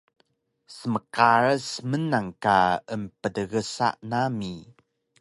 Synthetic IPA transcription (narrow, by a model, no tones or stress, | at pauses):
səməkaɾəsmənaŋkaəmpədəɣəsa̰ʔnami